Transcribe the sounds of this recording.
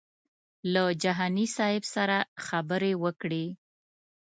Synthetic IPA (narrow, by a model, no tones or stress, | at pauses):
lad͡ʒaɦɑnisɑɪbsaɾaxabəɾewəkɽe